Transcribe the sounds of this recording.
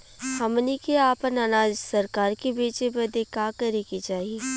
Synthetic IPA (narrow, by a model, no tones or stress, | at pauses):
hɐmnikeaːpənɐnaːd͡ʒsɐɾkaːɾkebeːt͡ʃebɐd̪ekaːkɐɾekit͡ʃaːɦie